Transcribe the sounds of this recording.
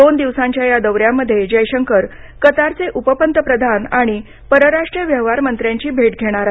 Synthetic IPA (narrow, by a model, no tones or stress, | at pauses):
d̪ond̪iʋsãɲt͡ɕjajad̪əʋɾjamːəd̪ʱːjed͡ʑəjɕəŋkəɾ | kət̪aɾt͡seʔupəpənt̪əpɾəd̪ʱanaɽ̃i | pəɾəɾaʂʈɾijəʋjəɦʋaɾmənt̪ɾjaɲt͡ɕiːbʱeʈɡʱeɽ̃aɾaɦ